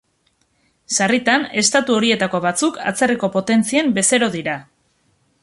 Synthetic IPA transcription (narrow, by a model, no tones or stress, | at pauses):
sarit̪ane̞st̪at̪uo̞ɾie̞t̪ako̞β̞at͡sukʰa̰t͡seriko̞po̞t̪e̞nt͡sie̞mbe̞se̞ɾo̞ðiɾa